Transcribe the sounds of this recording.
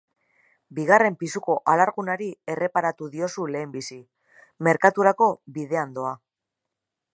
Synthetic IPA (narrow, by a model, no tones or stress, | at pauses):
biɣ̞are̞mpisuko̞ʔalaɾɣunaɾie̞re̞paɾat̪uðio̞sule̞ːmbisi | me̞ɾkat̪uɾako̞βiðe̞and̪o̞a